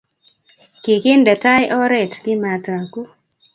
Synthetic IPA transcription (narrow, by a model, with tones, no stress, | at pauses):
kɪ˨kɪ˦ndɛ˨ta˦jʔɔ˦ɾɛ˨tkɪ˦ma˨ta˨ku˦